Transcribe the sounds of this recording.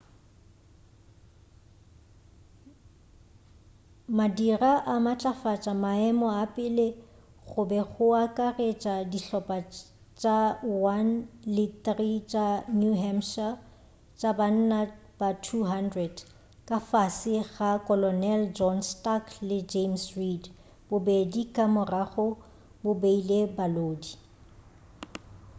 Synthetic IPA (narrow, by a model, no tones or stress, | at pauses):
madiraʔamat͡ɬʼafat͡ʃʼamaɛmɔapʼɪle | ɣʊbɛɣʊakʼaret͡ʃʼadiɬɔpʼa | t͡ʃʼawanlitrit͡ʃʼanjuɦɛmʃa | t͡ʃʼaban̩na | b̥atʰuɦandrɛd | kʼafasɪɣakʼɔlɔnɛld͡ʒɔnstakʰlɪd͡ʒemsrid | bʊbedikʼamʊraɣʊ | bʊbeilebaloːdi